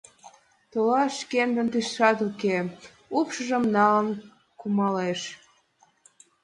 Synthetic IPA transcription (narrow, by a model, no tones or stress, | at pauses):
t̪olɑʃkend̪ə̆nt̪iʃʃɑt̪uke | upʃəʒəmnɑlən | kumɑleʃ